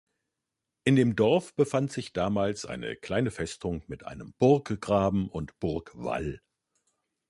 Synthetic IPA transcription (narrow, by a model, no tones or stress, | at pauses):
ʔɪndeːmdɔɐfb̥əfantz̥ɪçd̥aːmaːlsʔa̰ɪnə̰kl̥aɪnəfɛstʊŋmɪtʔa̰ɪnəmb̥ʊɐkɡ̥ʁaːbm̩ʔʊntb̥ʊɐkv̥a̰l